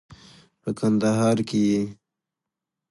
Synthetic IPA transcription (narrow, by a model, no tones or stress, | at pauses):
pəkand̪aɦɑɾkeje